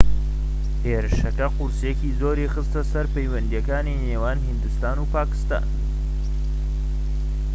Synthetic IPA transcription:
heːɾɨʃɐkɐqʊɾsekiːzoːɾixɨst̪ɐsɐɾpejwɐnd̪ijɐkaːnineːwaːnhind̪ust̪aːnuːpaːkɨ̥st̪a̰ːn

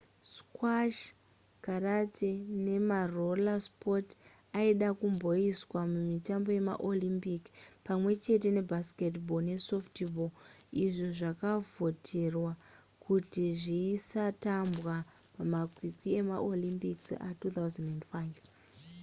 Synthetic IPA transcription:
skwaʃ | karatene̞marolaspo̞t | aiɗakumbo̞iswamumitambo̞je̞ma̰ʔolimpikpamwe̞t͡ʃe̞t̬e̞ne̞bʱaske̞tbone̞so̞ftiboiʐo̞ʐakavo̞tʰe̞rwa | kʰutiʐiːsatambɣapamakwikwie̞maʔolimpiksa̰tut̪auzandendfaiv

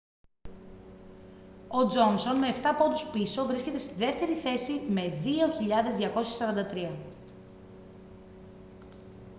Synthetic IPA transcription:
o̞d͡zo̞nso̞nme̞ːft̪ɐpo̞d̪uspiso̞vɾiskce̞t̪e̞st̪iðe̞ft̪e̞ɾiθe̞sime̞ðio̞çiʎɐðe̞zðʝɐko̞sçesɐɾɐnd̪ɐt̪ɾiɐ

